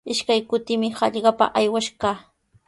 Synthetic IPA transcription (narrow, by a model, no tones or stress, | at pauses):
ɪʃkajkʊt̪ɪmɪhɑʎɢɑpa̰ʔajwaʃkaː